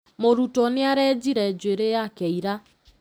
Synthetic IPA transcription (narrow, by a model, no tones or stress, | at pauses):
moɾutɔnɪaɾɛd͡ʒiɾɛd͡ʒweɾejakɛiɾa